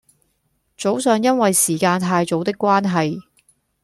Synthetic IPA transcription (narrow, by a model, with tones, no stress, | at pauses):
t͡so˨˥wsœː˨˧ŋjɐ˥nwɐ˨jsiː˨˩kaː˧nt̪ʰaː˧jt͡so˨˥wt̪ɪ˥kːʷwaː˥nɦɐ˨j